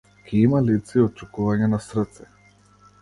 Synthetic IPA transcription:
kʰiimalit̪siɔt͡ʃukuvaɲɛnasɾət̪sɛ

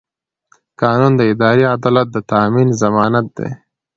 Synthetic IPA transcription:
kɑːnund̪əɪd̪ɑːɾiad̪ɑlat̪̚d̪ət̪aːminzamɑːnat̪̚d̪ḛ

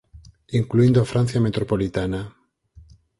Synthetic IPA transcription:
iŋkluind̪ofɾan̟θjamet̪ɾopolit̪ana

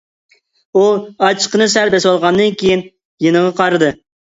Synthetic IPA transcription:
uɑt͡ʃʰə̥qənɨsæɾbɛswɑlˠʁɑnd̪ɨnkʲʰejin | jenəʁɑqʰɑɾɨd̪ɨ

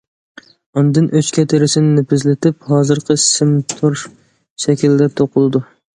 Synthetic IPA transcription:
ɔnd̪ɨnʔøt͡ʃkʲʰɛt̪ʰɪɾɪsɪnɪnɪpʰɪzlɪt̪ʰɪp̚hɑːzɨɾqʰɨsɪmt̪ʰuɾ | ʃɛkʲʰild̪ɛt̪ʰoqʰʊlˠɨd̪u

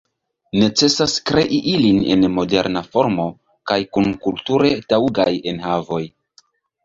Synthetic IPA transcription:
ne̞t͡se̞saskɾe̞ʔiʔiline̞̰nmo̞de̞̰ɾnafo̞ɾmo̞ | kajkunkultuɾe̞tawuɡajenɦavo̞j

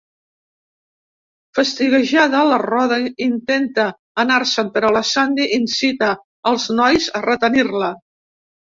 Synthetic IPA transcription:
fəst̪iɣəʒaðələrɔðəint̪ent̪əː | naɾsəmpəɾələsand̪iʔinsit̪əː | lˠznɔjzərət̪ənirlə

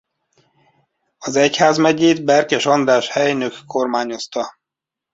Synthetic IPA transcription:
ɒzɛchaːzmɛɟeːd̪bɛrkɛʃɒnd̪aːʃhɛjnøkːo̞rmaːɲo̞st̪ɒ

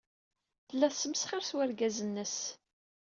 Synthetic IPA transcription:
θəlːæθsːəməsχəɾswæɾɡæzənːəs

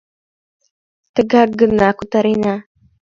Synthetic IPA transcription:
t̪əɡaɡənakut̪aɾena

